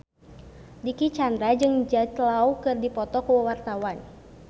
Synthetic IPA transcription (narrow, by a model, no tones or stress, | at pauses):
dikit͡ʃand̪ɾad͡ʒɨŋd͡ʒat̪laukɨrdipɔt̪ɔkuwəwart̪awan